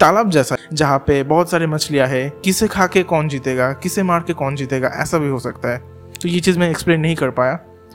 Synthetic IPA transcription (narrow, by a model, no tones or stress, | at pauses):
t̪aːləb̚d͡ʒɛːsad͡ʒɐɦãpebɔːt̪saːɾemɐt͡ʃlijaɦɛ̃kɪsekʰaːkekɔːnd͡ʒiːt̪eːɡakɪsemaːɽkekɔːnd͡ʒiːt̪eːɡa̰ʔɛ̰ːsabʱiɦosɐkt̪aɦɛː | t̪ojet͡ʃiːzmẽekspleːnːɐɦĩkɐɾpaːjaː